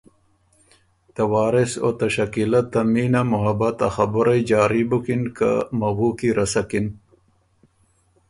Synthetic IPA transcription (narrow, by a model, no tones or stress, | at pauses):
t̪ɐwɑːɾiso̰t̪ɐʃɐkilat̪ːɐmiːnamʊɦɐbɐt̪ɐ̰xɐbʊɾɐjd͡ʒaːɾibukinka̰mɐɣuːkiɾʔɐsɐkin